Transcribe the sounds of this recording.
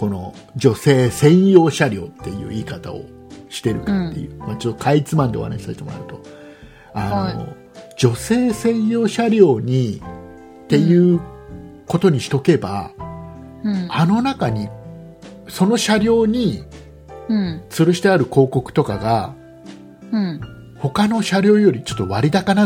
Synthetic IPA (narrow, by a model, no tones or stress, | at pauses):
ko̞no̞̰ | d͡ʑo̞se̞ːsẽ̞ɰ̃jo̞ːɕaɾʲo̞ːt̪ːe̞jɯ̟̰ːiːkat̪a̰o̞̰ | ɕi̥t̪e̞ɾɯ̟kat̪ːe̞̰jɯ̟̰ːmat͡ɕot̪ːo̞kʰait͡sɨmãnd̪ḛha̰na̰ɕi̥saset̪emɾa̰ɯ̟t̪o̞ | ano̰ | d͡ʑo̞se̞ːsẽ̞jo̞ːɕaɾʲo̞ːɲ̟i | t̪e̞jɯ̟ː | ko̞t̪o̞ɲ̟iɕi̥t̪o̞ke̞ba̰ | ano̞nakaɲ̟i | so̞no̞ɕaɾʲo̞ːɲ̟ĩ | t͡sɨɾɯɕi̥t̪eaɾɯ̟ko̞ːko̞kɯ̟̥t̪o̞kaɡa | ho̞kano̞ɕaɾʲo̞ːjo̞ɾʲit͡ɕo̞̥t̪ːo̞βaɾʲid̪akana